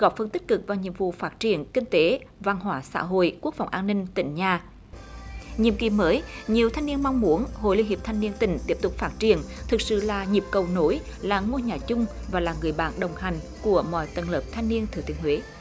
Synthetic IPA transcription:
ɣɔ˧˥p̚fə˧nt̪i˦˥k̟̚kɨ˨˩k̚vaː˨˩wɲḭ˧˨əmvṵ˧˨faː˦˥t̚t͡ɕi˨˩ənkï˧ŋ̟t̪e˨˦va˧nɦwaː˧˦sa̰ː˧˥ɦo̰˧˨jku˦˥ək̚fa˨˩wŋ͡mʔaː˧nːï˧ŋ̟t̪ï˧˩ŋ̟ɲaː˨˩ | ɲḭ˧˨mkḭ˨˩məː˨˦jɲi˨˩əwt̪ʰa˧jŋni˧ənmɔ˧wŋ͡mmu˨˦ənho̰˧˨jli˧əŋhi˨˩p̚t̪ʰa˧jŋ̟ni˧ənt̪ï˧˩ŋ̟t̪i˦˥əp̚t̪ʊ˨˩k͡p̚faː˦˥t̚t͡ɕi˧˩ənt̪ʰɨ˨˩k̚sɨ̰˧˨laː˨˩ɲi˨˩əp̚kə˨˩wno˨˦j | laː˨˩ŋo˧ɲaː˨˩t͡ɕʊ˧ŋ͡mvaː˨˩laː˨˩ŋɨ˨˩əjɓa̰ː˧˨nɗə˨˩wŋ͡mha˨˩jŋ̟ | ku˧˩əmɔ̰˧˨jt̪ə˧˨˩nləː˨˩p̚t̪ʰa˧jŋ̟ni˧ənt̪ʰɨ˨˧˩t̪ḭ˨əŋhwe˨˦

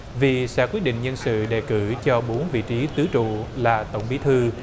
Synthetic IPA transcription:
vi˨˩sɛ̰ː˧˥kwi˦˥ət̚ɗḭ˧˨ŋɲə˧nsɨ̰˧˨ɗe˨˩kɨ˧˩t͡ɕɔ˧ɓo˨˦nvḭ˧˨t͡ɕi˨˦t̪ɨ˨˦t͡ɕṵ˧˨laː˨˩t̪ə̰˧˩wŋ͡mɓi˨˦t̪ʰɨ˧

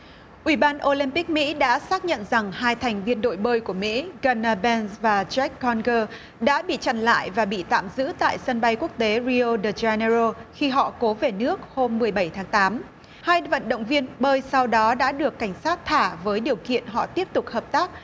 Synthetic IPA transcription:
ʔwi˧˩ɓaː˧nʔo˧li˧mpi˦˥k̚mḭ˧˥ɗa̰ː˧˥saː˦˥k̚ɲə̰˧˨nza˨˩ŋhaː˧jt̪ʰɛ˨˩jŋ̟vi˧ənɗo̰˧˨jɓəː˧jku˧˩əmḭ˧˥ɣəː˧naː˧ɓɛ˧nzvaː˨˩t͡ɕɛ˦˥kːɔ˧nɣəː˧ | ɗa̰ː˧˥ɓḭ˧˨t͡ɕa̰˧˩nla̰ː˧˨jvaː˨˩ɓḭ˧˨t̪a̰ː˧˨mzɨ̰˧˥t̪a̰ː˧˨jsə˧nɓa˧jku˦˥ək̚t̪e˨˦ɹi˧o˧ɗə˨˩za˧nə˧zo˧xi˧ɦɔ̰˧˨ko˨˦ve˨˩nɨ˦˥ək̚ho˧mːɨ˨˩əjɓə˧˩jt̪ʰaː˨˦ŋt̪aː˨˦m | haː˧jvə̰˧˨nɗo̰˧˨wŋ͡mvi˧ənɓəː˧jsa˧wɗɔ˨˦ɗa̰ː˧˥ɗɨ˨˩əkːa˧˩jŋ̟saː˦˥t̚t̪ʰaː˧˩vəː˨˦jɗi˨˩əwkḭ˧˨ənɦɔ̰˧˨t̪i˦˥əp̚t̪ʊ˨˩k͡p̚həː˨˩p̚t̪aː˦˥k̚

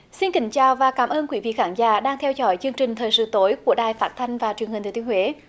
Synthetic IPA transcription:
si˧nkï˨˦ŋ̟t͡ɕaː˨˩wvaː˨˩kaː˧˦˩mʔəː˧nkwi˨˧˦vḭ˧˨xaː˧˦nza̰ː˧˩ɗaː˧ŋt̪ʰɛ˧wzɔ̰˧˩jt͡ɕɨ˧əŋt͡ɕï˨˩ŋ̟t̪ʰəː˨˩jsɨ̰˧˨t̪o˨˦jku˧˩əɗaː˨˩jfaː˦˥t̚t̪ʰa˧jŋ̟vaː˨˩t͡ɕwi˨˩əŋhi̟˨˩t̪ʰːi˨˧ənhwe˨˦

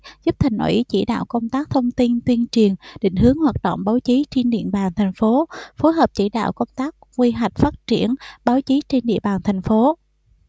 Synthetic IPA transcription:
zu˦˥p̚t̪ʰa˨˩ŋ̟ʔo̰˨˧˩ʔi˨˦t͡ɕḭ˧˩ɗa̰ː˧˨wkə˧wŋ͡mt̪aː˦˥k̚t̪ʰə˧wŋ͡mt̪i˧nt̪wi˧ənt͡ɕi˨˩ənɗḭ̈˧˨ŋ̟hɨ˨˦əŋhwaː˨˩t̚ɗə̰˧˨wŋ͡mɓaː˨˦wt͡ɕi˨˦t͡ɕe˧nɗḭ˧˨ənɓaː˨˩nt̪ʰɛ˨˩jŋ̟fo˨˦fo˨˦jɦəː˨˩p̚t͡ɕi˧˩ɗa̰ː˧˨wkə˧wŋ͡mt̪aː˦˥k̚kwi˧ɦa˨˩jk̟̚faː˦˥t̚t͡ɕi˧˩ənɓaː˨˦wt͡ɕi˨˦t͡ɕe˧nɗḭ˧˨əɓaː˨˩nt̪ʰa˨˩jŋ̟fo˨˦

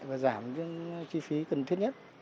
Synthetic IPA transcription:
jvaː˨˩zaː˧˩mɨ˨˧˦ŋt͡ɕi˧fi˨˦kə˨˩nt̪ʰi˦˥ət̚ɲə˦˥t̚

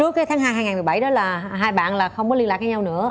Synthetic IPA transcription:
u˨˦ək̚aː˨˦jt̪ʰaː˨˦ŋɦaː˧jɦa˧jŋaː˨˩m˨˩ɓa˧˩jɗɔ˨˦laː˨˩ɦaː˧jɓa̰ː˧˨nlaː˨˩xə˧wŋ͡mkɔ˨˦li˧nlaː˨˩k̚ɲaː˨˧˦ɲa˧wnɨ̰˧˥ə

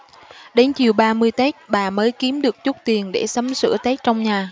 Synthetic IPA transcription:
ɗe˨˦nt͡ɕi˨˩əwɓaː˧mɨ˧əjt̪ɛ˦˥k̚ɓaː˨˩məː˨˦jki˨˦əmɗɨ˨˩ək̚t͡ɕʊ˦˥t̚t̪i˨˩ənɗe˧˩sə˨˦msɨ̰˧˥ət̪ɛ˦˥k̚t͡ɕɔ˧wŋ͡mɲaː˨˩

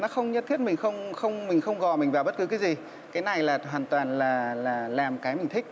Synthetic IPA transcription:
nɔ˨˦xə˧wŋ͡mɲə˦˥t̪ʰi˦˥ət̚mï˨˩ŋ̟xə˧wŋ͡mxə˧wŋ͡mmï˨˩ŋ̟xə˧wŋ͡mɣɔ̰˨jmï˨˩ŋ̟vaː˨˩wɓə˦˥t̚kɨ˨˦kaː˨˦jzi˨˩ | kaː˨˦jna˨˩jlaː˨˩ɦwaː˨˩nt̪waː˨˩nlaː˨˩laː˨˩laː˨˩mkaː˨˦jmï˨˩ŋ̟t̪ʰï˦˥k̚

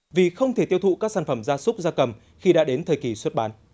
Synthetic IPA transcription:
vi˨˩xə˧wŋ͡mt̪ʰe˧˩t̪i˧əwt̪ṵ˧˨kaː˦˥k̚saː˧˩nfə˧˩mzaː˧sʊ˦˥k͡p̚zaː˧kə˨˩m | xi˧ɗa̰ː˧˥ɗe˨˦nt̪ʰəː˨˩jki˨˩swə˦˥t̚ɓaː˨˦n

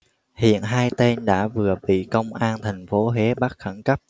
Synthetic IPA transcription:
hḭ˧˨ənɦaː˧jt̪e˧nɗa̰ː˧˥vɨ˨˩əɓḭ˧˨kə˧wŋ͡mʔaː˧nt̪ʰɛ˨˩jŋ̟fo˨˦ɦe˨˦ɓa˦˥t̚xə˧˩nkə˦˥p̚

